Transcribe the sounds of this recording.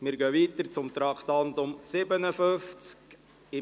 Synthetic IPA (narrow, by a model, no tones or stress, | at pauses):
mɪɾɡœʋiːt̪əɾt͡sʊmt̪ɾɑkχt̪ɑnt̪ʊmsɪbənəfʏft͡sk | ɪ